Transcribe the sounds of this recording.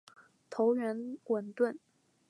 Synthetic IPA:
t̪ʰo˧˥ʊɥɛ˧˥nwə˨˩nt̪wə˥˩n

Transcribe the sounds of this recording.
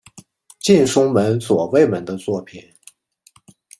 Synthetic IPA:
t͡ɕi˥˩nʂʊ˥ŋmə˧˥nswɔ˨˩we˥˩ɪmə˧˥nd̪ə˧t͡swɔ˥˩pʰi˨˩˦n

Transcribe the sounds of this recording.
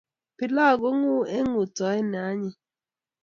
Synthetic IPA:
pi˨la˦˨ɡo˦ŋu˦e˦ŋu˨tɔ˨˦ɛ˦n˨a˨˦ɲi˦

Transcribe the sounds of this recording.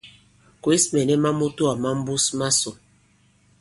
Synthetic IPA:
kwi˦smɛ˨nɛ˦ma˦mu˦tu˦a˨ma˦m̩˦bu˦sma˦so˨

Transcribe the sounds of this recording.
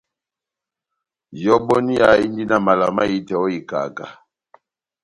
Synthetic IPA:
jɔ˦bɔ˦ni˦ja˨i˦ndi˦na˨ma˨la˨ma˦i˦tɛ˨ɔ˦i˨ka̰˨ka̰˨

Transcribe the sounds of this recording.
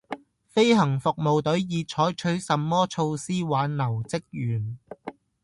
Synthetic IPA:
fe˥jɦɐ˨˩ŋfʊ˨k̚mo˨wt̪ɵ˨˥ɥjiː˨˧t͡ʃʰɔː˨˥jt͡ʃʰɵ˨˥ɥsɐ˨˧mːɔː˥t͡sʰo˧wsiː˥waː˨˥nlɐ˨˩wt͡sɪ˥k̚jyː˨˩n

